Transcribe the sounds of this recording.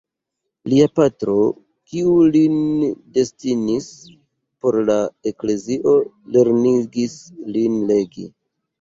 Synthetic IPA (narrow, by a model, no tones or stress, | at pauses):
liapatɾo̞ | kiulinde̞stinis | po̞ɾlae̞kle̞ziʔo̞ | le̞ɾniɡislinle̞ɡḭ